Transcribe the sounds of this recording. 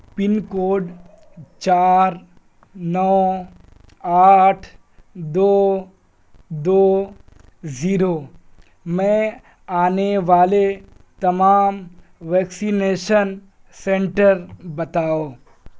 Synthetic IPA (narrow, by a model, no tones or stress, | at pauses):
pɪnkoːɖ | t͡ʃaːɾ | nɔː | aːʈʰ | d̪oː | d̪oː | ziːɾo | mɛ̃ | aːneʋaːle | t̪ɐmaːm | ʋɛːksineːʃən | sɛ̃ɳʈəɾbɐt̪aːoː